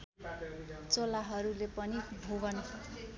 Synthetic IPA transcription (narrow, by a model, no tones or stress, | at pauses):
t͡solaɦʌɾulepʌnibʱoɡʌnʰ